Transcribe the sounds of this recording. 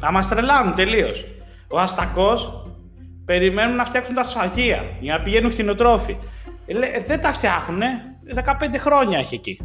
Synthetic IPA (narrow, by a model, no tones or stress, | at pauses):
ɐmɐst̪ɾe̞lɐnunt̪e̞lio̞s | o̞ɐst̪ɐko̞s | pe̞ɾime̞nunːɐft̪çɐksunt̪ɐsɐʝiɐ̰ɐɐpiʝe̞nuŋxino̞t̪ɾo̞fileðe̞nt̪ɐft̪çɐxune̞ | ðe̞kɐpe̞nd̪e̞xɾo̞ɲɐeçeci